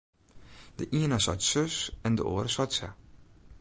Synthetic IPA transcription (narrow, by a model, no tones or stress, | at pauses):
d̥əʔiənasɔ̰jtsøsɛndəo̰ːɾəswɔjtsɛ̰